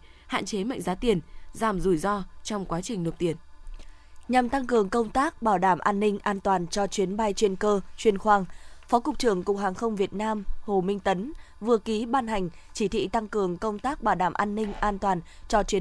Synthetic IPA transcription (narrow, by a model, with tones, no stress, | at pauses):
ha̰ː˧˨t͡ɕe˨˦ma̰˧˨ŋzaː˨˦t̪i˨˩ənzaː˨˩mzu˨˩jzɔ˧t͡ɕɔ˧wŋ͡mkwaː˨˦t͡ɕï˨˩ŋ̟no˨˩t̚t̪i˨˩ən | ɲa˨˩mt̪a˧ŋkɨ˨˩əŋkə˧wŋ͡mt̪aː˦˥k̚ɓaː˧˩wɗaː˧˩mʔaː˧nːï˧ŋ̟ʔaː˧nt̪waː˨˩nt͡ɕɔ˧t͡ɕwi˨˦ənɓa˧jt͡ɕwe˧nkəː˧t͡ɕwi˧ənxwaː˧ŋfɔ˨˦kʊ˨˩k͡p̚t͡ɕɨ˧˩əŋkʊ˨˩k͡p̚haː˨˩ŋxə˧wŋ͡mvi˨˩ət̚naː˧mho˨˩mï˧ŋt̪ə˨˦n | vɨ˨˩əki˨˦ɓaː˧nha˨˩jŋ̟t͡ɕi˧˩t̪ʰḭ˧˨t̪a˧ŋkɨ˨˩əŋkə˧wŋ͡mt̪aː˦˥k̚ɓaː˧˩wɗaː˧˩mʔaː˧nːï˧ŋ̟ʔaː˧nt̪waː˨˩nt͡ɕɔ˧t͡ɕwi˨˦